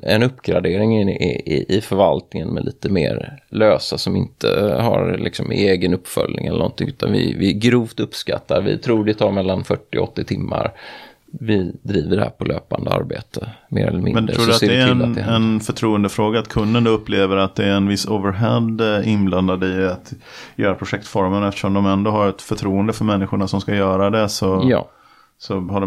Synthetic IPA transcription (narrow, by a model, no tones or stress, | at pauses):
ɛnɵpːɡɾad̪eːɾɪŋ | ɪfœɾvalt̪̚nɪŋənmɛlʔiːt̪əmeːɾløːsasɔmɪnt̪ʰəhaɾlʔɪksɔmeːɡənɵpːfœlʲnɪ̰ŋɛlə̰nɔ̰nt̪ʰɪŋʉ̟ːt̪ʰanvɪvɪɡɾuːvt̪ɵpska̰t̪ːad̪vɪt̪ʰɾuːdɪt̪ʰɑːɾmɛlːanfœʈːɪɔt̪ːɪt̪ʰɪmːaɾ | vɪd̪ɾiːvəɖɛhæːɾpʰɔløːpand̪əa̰ɾbeːt̪ʰəmḛːɾɛ̰lːəmɪ̰nmɛnɾʰɾːsdteːdɛnɛnfœʈʰɾuːənd̪əfɾoːɡaːt̪kʰɵnd̪ənd̪ɵpːleːvəɾat̪̚d̪ɛːɾɛnvɪsːovəɾɦɛd̪ɪnbland̪ad̪ɪat̪ | jœːɾapʰɾʊɧɛkt̪fɔɾmənɛft̪ə̥ʂɔmd̪ɔmɛnd̪oɦaɾɛt̪fœʈʰɾuːənd̪əfœɾmɛnːɪɧʊɳasɔmskajœːɾad̪ɛsɔjɑ̰ː | sɔhaɖ